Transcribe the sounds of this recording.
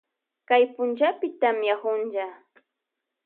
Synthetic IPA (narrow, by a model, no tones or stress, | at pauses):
kajpʊnt͡ʃapɪt̪amjahʊnʒa